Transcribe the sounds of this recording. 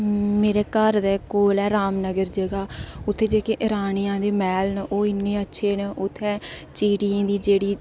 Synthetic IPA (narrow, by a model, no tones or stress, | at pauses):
meːɾeːkəɾd̪eːkoːlɛːɾaːmnəɡəɾd͡ʒeːɡaːʊt̪ʰːeːd͡ʒeːkeːʔɪɾaːnijãːd̪eːmɛːlnʔoːɪnːẽːətːʃʰeːnʔʊt̪ʰːɛːt͡ʃiːɽiːãːd̪iːd͡ʒeːɽiː